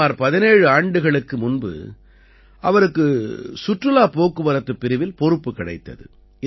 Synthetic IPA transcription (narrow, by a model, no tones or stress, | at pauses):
aːɾpɐðɪneːɻɯaːɳɖɯɣɐɭɯkːɯmʊnbɯ̰ | ʔɐʋɐɾɯkːɯsʊʈrɯlaːpoːkːɯʋɐɾɐt̪ːɯpːɪɾɪʋɪlpɔɾɯpːɯkːɪɽɐɪt̪ːɐ̰ðɯ̰ | ɪ